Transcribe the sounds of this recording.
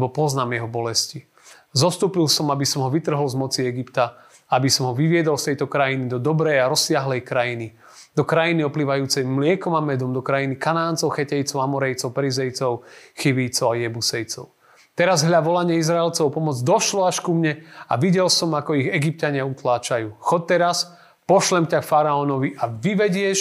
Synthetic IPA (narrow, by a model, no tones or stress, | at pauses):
bɔpɔznaːmjɛɦɔbɔlɛsci | zɔst̪uːpilsɔmabisɔmɦɔʋit̪r̩ɦɔlzmɔt͡siɛɡipt̪a | abisɔmɦɔʋiʋɪɛd̪ɔlst̪ɛjt̪ɔkɾajinid̪ɔd̪ɔbɾɛjaɾɔsːɪaɦlɛjkɾajini | d̪ɔkɾajiniɔpliːʋajuːt͡sɛjmlɪɛkɔmamɛd̪ɔmd̪ɔkɾajinikanaːnt͡sɔʊxɛcɛjt͡sɔʊamɔɾɛjt͡sɔʊpɛɾizɛjt͡sɔʊxiʋijt͡sɔʊajɛbusɛjt͡sɔʊ | t̪ɛɾazɦlʎaʋɔlaɲɪɛizɾaɛlt͡sɔʊpɔmɔd͡zd̪ɔʃlɔaʃkumɲɛa̰ʋiɟɛlsɔmakɔiɣɛɡip̚caɲɪaut̪laːt͡ʃajuːxɔc̚t̪ɛɾas | pɔʃlɛmcakfaɾaɔnɔʋiʔaʋiʋɛɟɪɛʃ